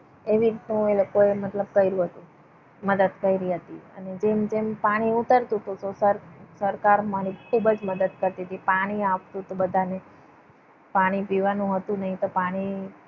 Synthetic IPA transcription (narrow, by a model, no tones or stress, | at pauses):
eʋiɾit̪nũelokoemət̪ləb̚kəiɾũɦət̪ũ | məd̪əd̪kəiɾiɦət̪iə̰ned͡ʒemd͡ʒempaɽ̃iut̪əɾt̪ũt̪ot̪osəɾsəɾkaɾmãnikʰubəd͡ʒməd̪əd̪kəɾt̪iɦət̪ipaɽ̃iaʋt̪ũt̪obəd̪ʱane | paɽ̃ipiʋanũɦət̪ũnəɦĩt̪opaɽ̃i